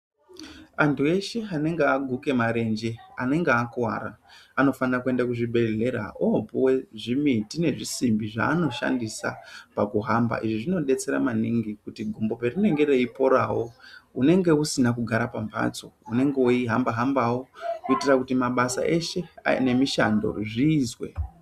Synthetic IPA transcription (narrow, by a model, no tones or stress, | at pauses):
antʰue̞ʃe̞ane̞ŋɡeaɡʱuke̞maɾe̞nd͡ʒe̞ane̞ŋɡeakuwa̰ːɾa̰ano̞fanirakue̞ndakuʐibʱe̞ɮe̞ɾa̰obuwe̞ʐimitine̞ʐisimbiʐa̰ːno̞ʃa̰ndisa̰pakuɦamba̰ʔiʐiʐino̞ɗe̞t͡se̞ɾa̰maniŋɡikutiɡʱombo̞perine̞ŋɡe̞re̞ipo̞ɾawo̞une̞ŋɡe̞usinakuɡʱaɾapamba̰t͡so̞̰une̞ŋɡeoiɦambaɦambawokuitirakutimaɓasa̰ʔe̞ʃe̞ane̞miʃando̞̰ʐiːzwe̞̰